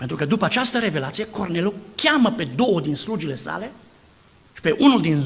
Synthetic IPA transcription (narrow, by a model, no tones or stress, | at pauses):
pe̞nt̪ɾukəd̪upəat͡ʃast̪əɾe̞ve̞lat̪sijeko̞rne̞lukʲaməpe̞d̪o̞wəd̪inslud͡ʒile̞sa̰le̞ | ʃi̥pe̞ʔunuld̪in